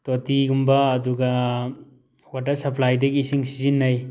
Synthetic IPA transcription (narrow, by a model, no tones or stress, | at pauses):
totiɡumbɐːduɡɐ | watɐɾsɐpʰlajdɐɡisiŋsizinːaj